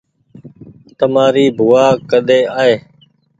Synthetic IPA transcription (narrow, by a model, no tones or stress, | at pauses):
t̪əmaːɾiːbʱʊʋaːkəɗ̪eːaːɦeː